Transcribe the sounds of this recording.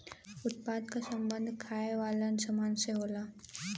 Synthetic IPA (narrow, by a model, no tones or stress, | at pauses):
ʊt̪̚pad̪̚kasəmbənd̪ʱkʰajʋalansəmanseɦola